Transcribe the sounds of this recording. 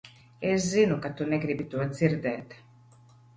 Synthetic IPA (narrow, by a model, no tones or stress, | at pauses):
ɛszinukat̪unɛɡɾibit̪uɐziɾd̪ɛːt̪